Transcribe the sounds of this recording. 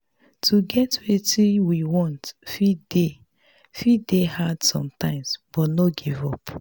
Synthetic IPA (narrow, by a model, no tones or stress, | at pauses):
tʰuɡɛtwetiwiwɔ̃ntfide | fidehad̥sɔ̰̃mtãɪ̃msb̥ɔtnoɡivɔp